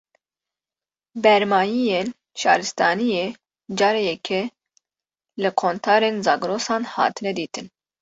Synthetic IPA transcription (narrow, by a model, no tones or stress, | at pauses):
bɛɾmɑːjijeːn | ʃɑ̰ːɾɨst̪ʰɑːnijeː | d͡ʒɑːɾejɛkʰɛ | lɨkʰoːnt̪ʰɑːɾeːnzɑːɡɾoːsɑːnhɑ̰ːt̪ʰɨnɛd̪iːt̪ʰɨn